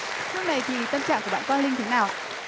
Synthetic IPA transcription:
tɨ˦˥ək̚na˨˩jt̪ʰi˨˩˨t̪ə˧mt͡ɕa̰ː˧˨ŋku˧˩ɓa̰ː˧˨kɔ˧nli˧ŋt̪ʰe˨˦naː˨˩w

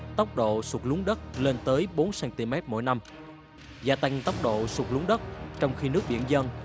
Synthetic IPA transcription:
t̪ə˦˥wk͡p̚ɗo̰˧˨swu˨˩t̚lu˨˦ŋɗə˦˥t̚le˧nt̪əː˨˦jɓo˨˦nsɛː˨˧˥nt̪i˧mɛ˦˥t̚mo̰˧˨jna˧m | zaː˧t̪a˧ŋ̟t̪ə˦˥wk͡p̚ɗo̰˧˨swu˨˩t̚lu˨˦ŋɗə˦˥t̚t͡ɕɔ˧wŋ͡mxi˧nɨ˦˥ək̚ɓḭ˧˨ənzə˧n

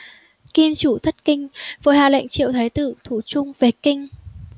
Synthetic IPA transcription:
ki˧mt͡ɕu˧˩t̪ʰə˦˥t̚kï˧ŋ̟vəː˨˦jhaː˨˩la̰˧˨jŋ̟t͡ɕḭ˧˨wt̪ʰaː˨˦jt̪ɨ˧˩˨t̪ʰu˧˩t͡ɕʊ˧ŋ͡mve˨˩kï˧ŋ̟

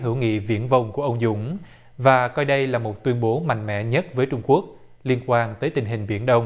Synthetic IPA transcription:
ɦɨ˧˩wŋḭ˧˨vḭ˧˩ənvə˧˩wŋ͡mku˧˩əʔə˧wŋ͡mzʊ̰˧˥ŋ͡m | vaː˨˩kɔ˧jɗə˧jlaː˨˩mo˨˩t̚t̪wi˧ənɓo˨˦ma̰˧˨ŋ̟mɛ̰˧˥ɲə˦˥t̚vəː˨˦jt͡ɕʊ˧ŋ͡mku˦˥ək̚ | li˧ənkwaː˧nt̪əː˨˦jt̪ï˨˩ŋ̟ɦï˨˩ŋ̟ɓi˧˩ənɗə˧wŋ͡m

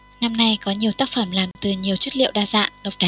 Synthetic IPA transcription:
na˧mna˧jkɔ˨˦ɲi˨˩əwt̪aː˦˥k̚fə˧˩mlaː˨˩mt̪ɨ˨˩ɲi˨˩əwt͡ɕə˦˥t̚lḭ˧˨əwɗaː˧za̰ː˧˨ŋɗə˨˩wk͡p̚ɗa˨˦

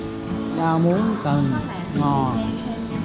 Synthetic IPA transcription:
ɗaː˧mu˨˦ənkə˨˩n | ŋɔ˨˩n

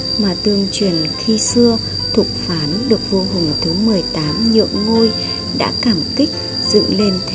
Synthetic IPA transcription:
maː˨˩t̪ɨ˨˩əŋt͡ɕwi˨˩ənxi˧sɨ˧ə | t̪ʰu˨˩k͡p̚faː˨˦nɗɨ˨˩ək̚vo˧kʊ˨˩ŋ͡mt̪ʰɨ˨˦mɨ˨˩əjt̪aː˨˦mɲɨ̰˧˨əŋːo˧j | ɗa̰ː˧˥kaː˧˩mki˦˥k̟̚ | zɨ̰˧˨ŋle˧nt̪ʰ

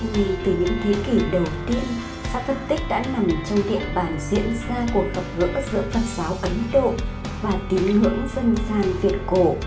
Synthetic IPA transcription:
vi˨˩t̪ɨ˨˩ɲɨ̰˧˥ŋt̪ʰe˨˦ki˧˩ɗə˨˩wt̪i˧ən | sa̰ː˧˥t̪ʰə˨˩p̚t̪ï˦˥k̟̚ɗa̰ː˧˥na˨˩mt͡ɕɔ˧wŋ͡mɗḭ˧˨əɓaː˧˩nzḭ˧˥ənzaː˧ku˨˩ək̚fə˨˩p̚ɣɨ̰˧˥əzɨ̰˧˥əfə˨˩nsaː˨˦wʔə˨˦nɗo̰˧˨ | vaː˨˩t̪i˨˦nhɨ̰˧˥əŋfə˧nzaː˨˧˩nvi˨˩ət̚ko˧˩

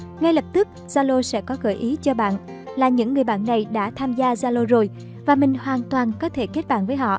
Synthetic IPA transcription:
ŋa˧jlə˨˩p̚t̪ɨ˦˥k̚z̥aː˧lo˧sɛ̰˧˥kɔ˨˦ɣə̰ː˧˩jʔi˨˦t͡ɕɔ˧ɓa̰ː˧˨n | laː˨˩ɲɨ̰˧˥ŋːɨ˨˩əjɓa̰ː˧˨nːa˨˩jɗa̰ː˧˥t̪ʰaː˧mzaː˧zaː˧lo˧zo˨˩j | vaː˨˩mï˨˩ŋ̟hwaː˨˩nt̪waː˨˩nkɔ˨˦t̪ʰe˧˩ke˦˥t̚ɓa̰ː˧˨nvəː˨˦jɦɔ̰˧˨ʔ

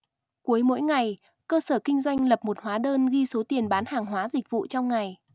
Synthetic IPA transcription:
ku˨˦əjmo̰˧˥jŋa˨˩j | kəː˧səː˧˩kï˧ŋ̟zwa˧jŋ̟lə˨˩p̚mo˨˩t̚hwaː˨˦ɗəː˧nɣi˧so˨˦t̪i˨˩ənɓaː˨˦nhaː˨˩ŋɦwaː˨˦zï˨˩k̚vṵ˧˨t͡ɕɔ˧wŋ͡mŋa˨˩j

